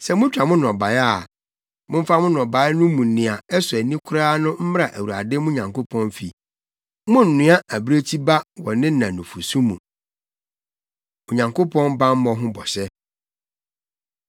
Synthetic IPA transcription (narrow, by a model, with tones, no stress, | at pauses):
sɛ˨mʊ̃˦t͡ɕᶣa˨mʊ̃˦nɔ̃˨ba˨ja˦˨ | mʊ̃˦m̩˦fa˦mʊ̃˦nɔ̃˨ba˨˦nʊ̃˦mũ˨n̩˨nɪ̃˨a˨ɛ˦sʊ˨æ˨nĩ˦kʰʊ˦ɾaː˦nʊ̃˦m̩˦m˦ɾa˨ʔæ˨wu˨a˨dɪ˦mʊ̃˦˨ɲã˨ŋko˦pʰɔ̃˦nfi˨ | mʊ̃˦n̩˨nɪ̃˦a˦æ˨bɾe˦t͡ɕʰi˦ba˦wɔ˨nɪ̃˦nã˨nũ˨fu˨sũ˦mũ˨ | o˨ɲã˨ŋkʰo˦pʰɔ̃˦nbã˦m̩˦mɔ̃˨ɦʊ̃˦bɔ˨ɕɛ˦